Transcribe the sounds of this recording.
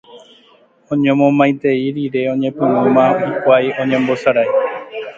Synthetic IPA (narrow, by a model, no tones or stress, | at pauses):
õ̞ɲẽmõmãj̃t̪e̞iɾiɾe̞õ̞ɲẽ̞pɨ̃wɨ̃mãikʷajõ̞ɲẽmbo̞saɾaj